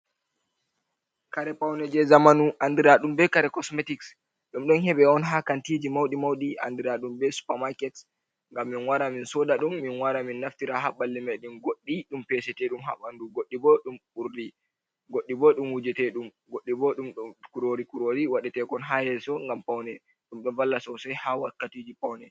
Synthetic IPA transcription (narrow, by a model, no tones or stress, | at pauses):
kaɾɛpawnɛd͡ʒɛzamanuʔandiɾaɗumbɛkaɾɛkɔsmetiks | ɗumɗɔnhɛɓɛɔnɦakantid͡ʒimawɗimawɗia̰ndiɾaɗumbɛsu̥pamakɛt | ŋɡamːinwaɾaminsɔɗaɗumːinwaɾaminːaftiɾaɦabalːimɛɗunɡoɗːiɗumpɛsɛtɛɗumɦa̰ɓanduɡoɗːibɔɗumɓuɾdi | ɡoɗːibɔɗumwud͡ʒɛtɛɗum | ɡoɗːibɔɗumkuɾoɾikuɾoɾiwaɗɛtɛkɔnɦahɛsɔŋɡampawnɛ | ɗumɗɔnvalːasɔsajhawakːatid͡ʒipawnɛ